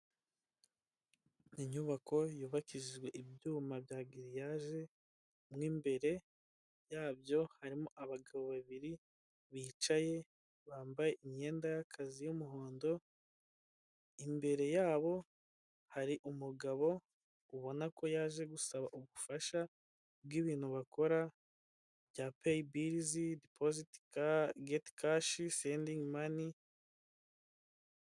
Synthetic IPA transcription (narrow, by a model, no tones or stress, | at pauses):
niɲuβako̞juːβakiʒiʒɡwe̞ʔibjuːmabjaːɡiɾijaːʒe̞ | mŋiːmbe̞ɾe̞ | jaːbjo̞haɾimoʔaβaɡaβo̞βaβiɾi | βiːt͡ʃaje̞ | βaːmbaje̞ʔimɲe̞ːndajakʰazijumuɦo̞ːndo̞ | imbe̞ɾe̞jaːβo̞ | haɾiʔumuɡaβo̞ | uβo̞nakʰo̞jaːʒe̞ɡusaβaʔuβufaʃa | b̚ɡiːβiːn̥huβako̞ɾa | bjapejibiɾzidipʰoziti̥kaɡeti̥kaʃiseːndiŋmani